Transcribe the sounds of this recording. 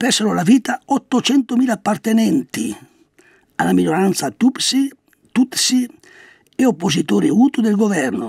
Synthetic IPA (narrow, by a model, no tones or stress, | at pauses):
pɛsaɾolaviːt̪aɔt̪ːot͡ʃɛnt̪omiːlaːpːart̪enɛnt̪i | a̰laminoɾant̪sat̪upsi | t̪ut̪si | eopːozit̪oːɾiuːt̪ud̪elɡovɛrno